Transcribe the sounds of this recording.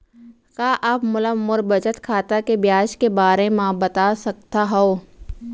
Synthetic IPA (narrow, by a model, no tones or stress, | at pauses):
kaːʔapmʊləmːʊɾbɐt͡ʃət̪kʰaːt̪akebjaːʃkebaːɾemãbɐt̪asɐkt̪aɦɛoː